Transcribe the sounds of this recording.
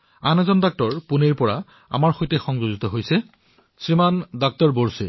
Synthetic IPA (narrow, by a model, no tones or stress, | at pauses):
anɛzɔndak̚tɔɹpuneɹpɔɹa | a̰maɹxojtɛxɔŋzoɡitɔɦojsɛ | sɹimandak̚tɔɹboɹsḛ